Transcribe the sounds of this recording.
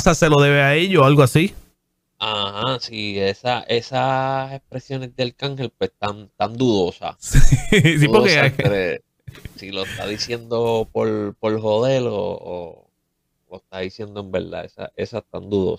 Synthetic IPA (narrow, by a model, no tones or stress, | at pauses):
sase̞lo̞ðe̞βeaeʎoalɣoasi | ahasie̞saʔe̞sase̞spɾe̞sjo̞nezd̪elkaŋhe̞lpwest̪ant̪and̪uðo̞sa̰sis̬ipokeɾe | siloest̪a̰ðisje̞nd̪o̞poɾpo̞lɦoðe̞lo̰ː | loest̪aðisje̞nd̪oe̞mbe̞̰ɾða̰esa̰ʔe̞sast̪a̰nd̪uðo̞̰sa